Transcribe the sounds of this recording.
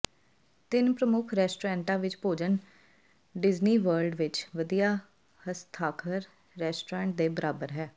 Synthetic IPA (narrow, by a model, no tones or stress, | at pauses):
t̪ɪnpɾəmʊkʰɾɛːsʈoːɾɛ̃ːɳʈãːʋɪt͡ʃpoːd͡ʒən | ɖɪzniːʋəɾɖʋɪt͡ʃʋəd̪ijaː | həst̪ʰaːkʰəɾː | ɛːsʈoɾɛ̃ːɳʈ̚d̪eːbəɾaːbəɾɦɛː